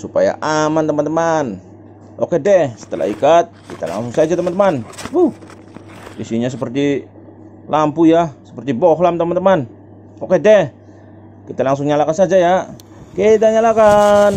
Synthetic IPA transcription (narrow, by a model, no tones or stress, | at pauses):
supa̰ja̰ʔamant̪əmant̪əman | ʔo̰kɛdɛhsə̥t̪ə̰la̰ḭkat̪̚kit̪a̰la̰ŋsʊŋsad͡ʒat̪əmant̪əmanbuh | isiɲas̬əpərt̪i | lampujasə̥pərt̪iboɦlamt̪əmant̪əman | okedɛh | kit̪alaŋs̬ʊŋɲalakansad͡ʒaja | ked̪aɲalakan